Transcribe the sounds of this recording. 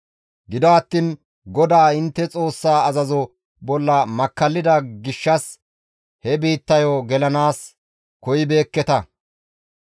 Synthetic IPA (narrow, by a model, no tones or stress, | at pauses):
ɡɪd̪ɐɐt̪ːiːn | ɡɔd̪aːɪnt̪ːɛt͡sʼo̞ːsːaːɐzɐzɔ | bɔlːɐmɐkːɐlːɪd̪ɐɡɪʃːɐs | hɛbiːt̪ːɐjoɡɛlɐnaːs | kɔjɪbe̞ːkːɛt̪ɐ